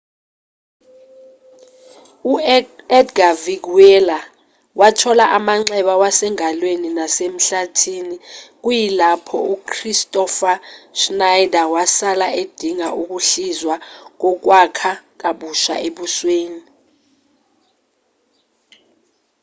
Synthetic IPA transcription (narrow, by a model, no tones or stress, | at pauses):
uɛdɡavik̬uwɛla | watʰɔlaʔamaŋ͡ǀɛɓawasɛŋalweninasem̩ɬatʰiːnik̬ujilapʰɔukʰristʼɔfaʃnajdawasalaed̥ʱiŋaʔuk̬uɬizwak̬ɔk̬wakʰak̬aɓuʃa̰eɓusweːni